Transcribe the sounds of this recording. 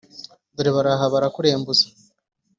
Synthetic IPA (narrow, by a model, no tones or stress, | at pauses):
duɾiβaɾaɦaβaɾakuɾeːmbuzḁ